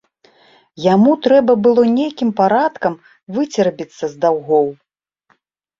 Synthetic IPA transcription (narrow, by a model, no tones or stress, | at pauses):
jamut̪ɾɛbɐbɨlˠɔnʲejkʲimpaɾat̪kɐm | vɨt͡sʲɛrbʲit̪sːɐzd̪awɣɔw